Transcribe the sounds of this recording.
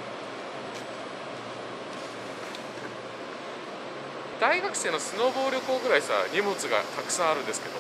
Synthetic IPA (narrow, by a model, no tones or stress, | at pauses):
d̪aiɡakɯ̟̥se̞ːno̞sɨno̞ːbo̞ːɾʲjokoːɡɯ̟ɾaisa̰ɲʲimot͡sɨɡa̰t̪akɯ̟̥sãɰ̃aɾɯ̟nd̪esɨ̥ke̞d̪o